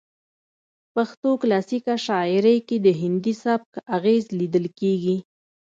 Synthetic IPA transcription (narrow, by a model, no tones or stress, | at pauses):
paxt̪oklɑsikaʃɑɪɾəjked̪əɦɪnd̪isab̚kaɣezlid̪əlkeɡi